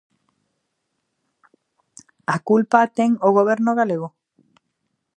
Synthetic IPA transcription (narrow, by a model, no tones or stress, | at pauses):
akulpat̪eŋoɣoβ̞eɾnoɣaleɣo